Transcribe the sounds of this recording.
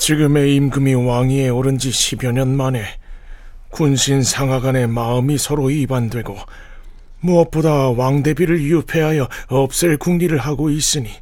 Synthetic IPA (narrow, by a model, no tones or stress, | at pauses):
t͡ɕiɡɯme̞imɡɯmiwaŋie̞oɾɯnd͡ʑiɕʰibjʌɲʌnmane̞ | kunɕʰinsʰaŋɦaɡane̞maɯmisʰʌɾoibandwe̞ɡo | muʌp͈odawaŋde̞biɾɯɭjupʰe̞ɦajʌʌp̚s͈ɯɭkuŋɡiɾɯɭɦaɡois͈ɯɲi